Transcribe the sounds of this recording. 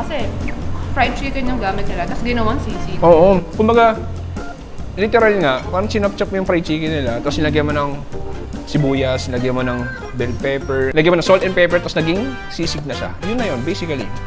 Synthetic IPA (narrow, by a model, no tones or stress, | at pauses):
kɐsɛjʊfɹajt̪ɾit̪ɛd̪ɲʊŋɡaːmɪt̪̚nɪlat̪ɐsɡɪnɐwaŋsiːsiʔoːʔokʊmbɐɡa | lit̪ɛɾɐlŋaʔpaːɾɐŋsɪnɐp̚t͡ʃɐp̚mojʊŋfɾajt͡ʃiːkɪnɪlat̪ɐslɐɡɐmonɐŋ | sɪbuːjɐslɐɡɐmonɐŋ | bɛlɡ̚pɛːpɛɹnɐɡjmonɐŋsolt̪ɛnpɛjpɛt̪ɐsnɐɡɪŋ | siːsɪɡ̚nɐʃa̰jʊnːɐjonbejsɪkɐlḭ